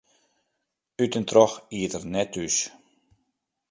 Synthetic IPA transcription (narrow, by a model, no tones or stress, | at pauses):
ytəntrɔxiətərnɛtʰys